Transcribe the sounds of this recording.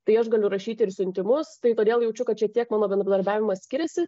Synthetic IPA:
t̪ɐɪɐʃɡɐlʲʊɾɐʃʲiːt̪ʲɪɪɾsʲʊnʲt̪ʲɪmʊst̪ɐɪt̪oːd̪ʲeːlˠjɛʊt͡ʃʲʊkɐt̪t͡ʃʲɛt̪ʲiɛkmɑːnoːbʲɛnɾɐd̪ɐɾʲbʲæːʋʲɪmɐssʲkʲɪɾʲɛsʲɪ

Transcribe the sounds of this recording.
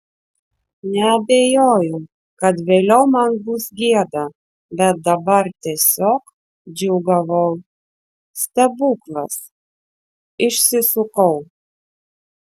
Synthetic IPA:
nʲɛɐbʲeːjoːjʊʊ | kɐt̪ʋʲeːlʲɛʊmɐnbusɡʲiɛd̪ɐ | bʲɛt̪̚d̪ɐbɐɾt̪ʲiɛsʲoːk | d͡ʒʲʊːɡɐʋɐʊ | st̪ɐbuːklˠɐs | ɪʃʲsʲɪsʊkɐʊ

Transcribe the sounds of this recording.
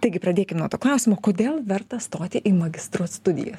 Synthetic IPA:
t̪ɐɪɡʲɪpɾɐd̪ʲeːkʲɪmnuɔt̪oːklˠɑˑʊsʲɪmoːkoːd̪ʲeːlˠʋʲɛɾt̪ɐst̪oːt̪ʲɪʔiːmɐɡʲɪst̪ɾuɔsst̪ʊd̪ʲɪ̰jo̰ːs

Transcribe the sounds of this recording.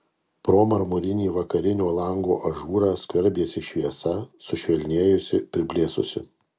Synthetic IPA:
pɾoːmɐɾmʊɾʲɪnʲiːʋɐkɐɾʲɪnʲoːlˠɐŋɡoːʔɐʒuːɾɑːskʋʲɐɾʲbʲeːsʲɪʃʲʋʲiɛsɐsʊʃʲʋʲɛlʲnʲeːjʊsʲɪpʲɾʲɪbʲlʲeːsʊ̰sʲɪ̰

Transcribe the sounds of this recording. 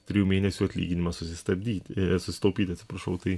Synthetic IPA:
t̪ʲɾʲɪːjuːmʲeːnʲɛsʲuːɐt̪ʲlʲḭːɡʲɪnʲɪmɐsʊsʲɪst̪ɐbd̪ʲiːtsʊsʲɪ̥t̪ɐʊpʲiːt̪ʲɐt̪sʲɪ̥pɾɐʃɐʊt̪ɐɪ

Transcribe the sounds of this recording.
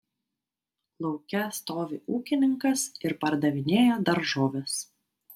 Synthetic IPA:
lˠɒʊkʲɛst̪oːʋʲeːʔuːkʲɪnʲɪŋkɐsɪɾpɐɾd̪ɐʋʲɪnʲeːjoːd̪ɐɾʒoːʋʲes

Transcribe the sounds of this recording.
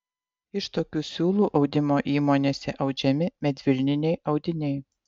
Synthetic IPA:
ɪʃt̪oːkʲuːsʲuːlˠuːʔɒʊd̪ʲɪmoːʔiːmoːnʲeːsʲɛʔɐʊd͡ʒʲɛmʲɪmʲɛd̪ʲʋʲɪlʲnʲɪnʲɛɪʔɐʊd̪ʲɪnʲɛɪ

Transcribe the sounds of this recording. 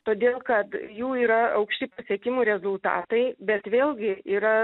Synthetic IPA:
t̪oːd̪ʲeːlˠkɐt̪juːiːɾɐɐʊkʃʲt̪ʲɪpɐsʲiɛkʲɪmuːɾʲɛzʊlˠt̪ɑ̰ːt̪ɐɪbʲɛt̪ʋʲeːlʲˠɡʲɪiːɾɐ

